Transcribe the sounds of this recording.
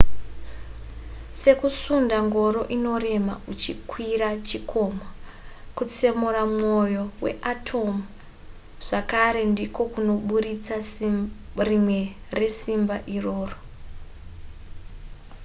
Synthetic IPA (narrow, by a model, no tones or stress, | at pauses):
se̞kusundaŋɡo̞ɾo̞ʔino̞re̞ma̰ut͡ʃikʰwiɾat͡ʃikʰo̞makut͡se̞muɾamŋo̞jo̞wḛʔatʰo̞mu | ʐ̥akaɾe̞ndiko̞kuno̞ɓurit͡sa | rimwe̞ | re̞simbaʔiro̞ːro